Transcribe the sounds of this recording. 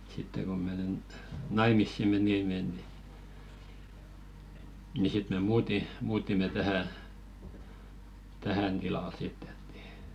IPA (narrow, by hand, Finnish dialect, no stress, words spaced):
sitːe ko menen nɑimisːi meniˑme ni ni sit me muːti muːtime tæhæ tæhæn tilɑl sitː et ni